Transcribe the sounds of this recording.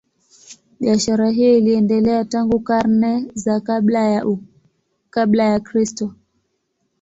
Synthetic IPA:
ɓiaʃaɾaɦijɔiliɛndɛlɛataŋɡukaɾnɛzakaɓlaja | kaɓlajakɾistɔ

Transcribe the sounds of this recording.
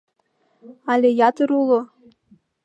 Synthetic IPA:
ɑlʲejɑt̪əɾulˠɤ

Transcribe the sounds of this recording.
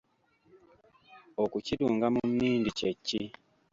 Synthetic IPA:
okuciduːŋɡamumniːndicecːi

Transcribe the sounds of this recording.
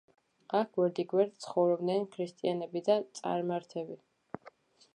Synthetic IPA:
ak̚ʰɡwɛɾd̪iɡwɛɾt̪t̪sʰχɔvɾɔbd̪nɛnkʰɾist̪ʼianɛbid̪at̪sʼa̰ɾmaɾt̪ʰɛbi

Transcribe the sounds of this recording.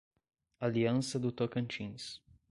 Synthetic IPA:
aliansəd̪ut̪okənt͡ʃins

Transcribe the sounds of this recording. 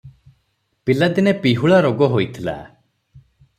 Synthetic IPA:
pilad̪inepiɦuɭaɾoɡɔɦojt̪ʰila̰

